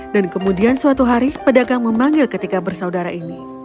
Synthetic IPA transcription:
dankəmudiansuat̪uɦaɾipədaɡaŋməmaŋɡɪlkət̪ikabərsaudaɾaʔini

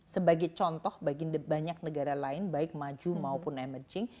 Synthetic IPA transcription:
səbaɡɛjt͡ʃɔnt̪ɔhbaɡibaɲak̚nəɡaɾalaɪnbaɪk̚mad͡ʒumaupʊnɛmərd͡ʒɪŋ

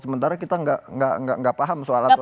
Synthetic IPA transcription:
səmənt̪aɾakit̪aŋɡaŋɡa̰ŋɡaʔŋɡaʔpaɦamsoala

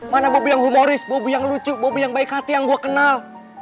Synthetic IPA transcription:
manabobujaŋɦumoɾɪsbobujaŋlut͡ʃubobujaŋbaikhat̪ijaŋɡuakənal

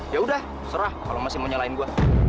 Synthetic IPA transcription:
jaudah | səɾahkalomasɪmoɲalaɪnɡua

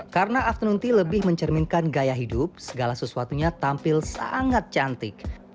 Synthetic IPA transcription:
kaɾənaːft̪ənunt̪iləbɪhməɲt͡ʃərminkanɡajaɦidʊp̚səɡalasəsuat̪uɲat̪ampɪlsa̰ŋat̪̚t͡ʃant̪ɪk̚

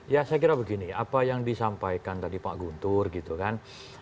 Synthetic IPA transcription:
jasajkiɾabəɡiniapajaŋdisampajkant̪adipaʔɡunt̪ʊrɡit̪ukan

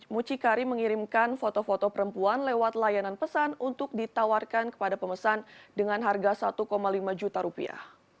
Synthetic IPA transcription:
mut͡ʃikaɾiməŋiɾimkanfot̪ofot̪ɔpəɾəmpuanlɛwat̪lajananpəsanunt̪ʊk̚dit̪awarkankə̥padapəməsandəŋanɦarɡasat̪ukomalimad͡ʒut̪aɾupḭa̰h

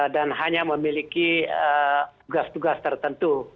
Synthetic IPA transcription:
danɦaɲaməmilikiət̪uɡast̪uɡast̪ərt̪ənt̪u

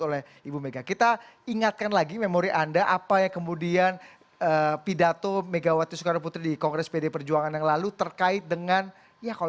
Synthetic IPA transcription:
olɛ | ibumeɡakit̪aiŋat̪̚kanlaɡimemoɾiʔandaʔapajakəmudian | əːpidat̪omeɡawat̪isukaɾaput̪ɾidikɔŋɡɾɛspedepərd͡ʒuaŋanjaŋlalut̪ərkaɪt̪̚dəŋan | jaka

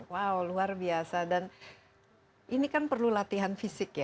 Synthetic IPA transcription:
wawluarbiasadan | ʔinikanpərlulat̪iɦanfisɪkja

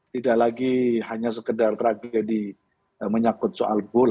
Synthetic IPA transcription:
t̪idaʔlaɡihaɲas̬əkədart̪əɾaɡadi | əməɲakʊt̪̚soʔa̰lɡol

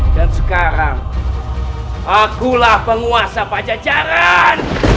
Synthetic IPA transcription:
dansəkaɾaŋ | ʔakulahpəŋuasapad͡ʒad͡ʒaɾan

